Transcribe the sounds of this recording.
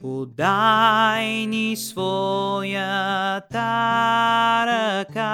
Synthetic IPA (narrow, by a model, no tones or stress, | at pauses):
ud̪ajnisvojɐt̪a | ɾəka